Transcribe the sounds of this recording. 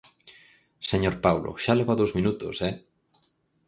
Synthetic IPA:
seɲoɾpawlʔo̰ʃalɛβaðowzmĩnut̪o̰sɛ

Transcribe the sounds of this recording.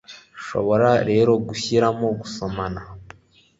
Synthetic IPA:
ʃo̞̰βo̞ɾaɾe̞ːɾo̞ɡuçiɾamo̞ɡuso̞mana

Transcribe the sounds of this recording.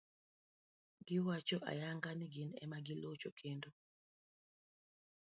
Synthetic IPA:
ɡ̥ɪwat͡ʃɔʔa̰jaŋɡanɪɡɪnɛ̰maɡɪlot͡ʃokʰendo

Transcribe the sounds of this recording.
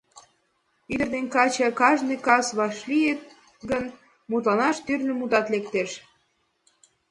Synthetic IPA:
yd̪ərd̪enkɑt͡ɕɑkɑʒnɨkɑsβɑʃlijet̪̚ | ɡən | mut̪lɑnɑʃt̪yrnø̆mud̪ɑt̪lek̚t̪eʃ

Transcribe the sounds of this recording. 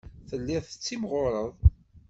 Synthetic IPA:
θəlːɪθət͡sːimʁʊɾˤəðˤ

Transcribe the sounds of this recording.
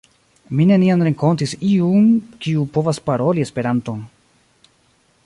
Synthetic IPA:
mine̞nianɾe̞ŋko̞ntisiumkiupo̞vaspaɾo̞lie̞spe̞ɾanto̞n

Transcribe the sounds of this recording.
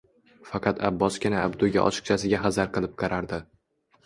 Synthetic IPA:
fɑqʰɑt̪ʰabːɒskʲɪnaːbd̪ʊɡʲa̰ʔɒ̰t͡ʃʰɨ̥q̚t͡ʃʰasɪɡʲaɦazaɾqɨlˠɪp̚qʰɑɾaɾd̪ɪ

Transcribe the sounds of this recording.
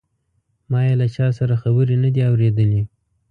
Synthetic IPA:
mɑjelat͡ʃɑsaɾaxabəɾenəd̪iawɾed̪əle

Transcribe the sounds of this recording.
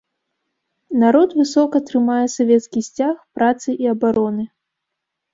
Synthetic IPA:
naɾɔt̪vɨsɔkɐt̪ɾɨmajɛsavʲɛt̪skʲisʲt͡sʲaxpɾat̪sɨʔiɐbaɾɔnɨ

